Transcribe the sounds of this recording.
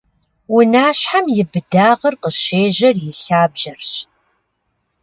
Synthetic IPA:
wʊnaːɕħamjɪbɨdaːʁɐrqəʃeːʑɐrjɪɬaːbʒɐrɕ

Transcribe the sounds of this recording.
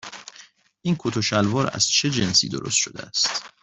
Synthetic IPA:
ʔiːnkʰot̪ʰoʃælvɒːɾæ̰z̥t͡ʃʰe̞d͡ʒe̞nsḭːd̪oɾʔost̪ʃo̞d̪ḛæst̪

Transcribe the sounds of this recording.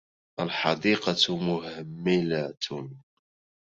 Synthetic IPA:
ʔəlħɑd̪iːqɑt̪mʊhəmːɪlat̪

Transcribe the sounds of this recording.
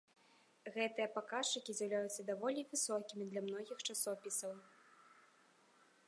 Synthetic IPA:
ɣɛt̪ɨjɐpakat͡ʂɨkʲizʲjawlʲajut̪sːɐd̪avɔlʲivɨsɔkʲimʲid̪lʲamnɔɣʲixt͡ʂasɔpʲisɐw

